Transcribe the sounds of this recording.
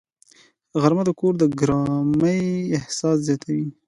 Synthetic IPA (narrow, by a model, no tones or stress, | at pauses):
ɣaɾmad̪əkoɾd̪əɡɾɑməjɪhsɑszjɑt̪ʰawi